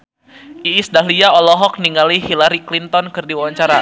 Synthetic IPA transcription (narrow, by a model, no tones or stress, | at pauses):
ʔiːsdaɦliaɔlɔɦɔk̚niŋaliɦilaɾiklint̪ɔnkɨrdiwawaɲt͡ʃaɾa